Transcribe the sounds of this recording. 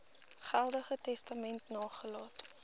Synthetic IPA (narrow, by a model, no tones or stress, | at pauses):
χælˠdəχətɛstɐmɛntnɑːχəlɑːt